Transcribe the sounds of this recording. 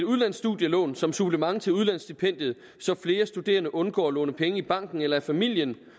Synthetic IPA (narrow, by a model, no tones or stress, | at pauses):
eduð̞ˠlænsːd̥uðˠjəlɔ̰ːnsɒ̽msub̥ləmɑ̈ŋt͡sʰe̝luðˠlænsd̥ipʰen̰d̥jð̩ˠ | sɒ̽fle̝ːɐsd̥ud̥e̝̰ːɐnəʔɔ̽nɡ̥ɒ̰ːlɔ̰ːnəpʰeŋəib̥ɑ̈ŋ̰ɡ̥n̩elɐæfæmil̰jən